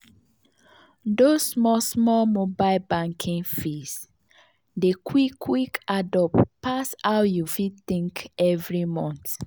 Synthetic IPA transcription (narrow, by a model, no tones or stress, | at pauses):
dosmɔsmɔlmobaɪlbãŋkʰĩŋfis | dekʰwikʰːwikadɔppasawjufitĩŋkɛvɹimɔ̃nt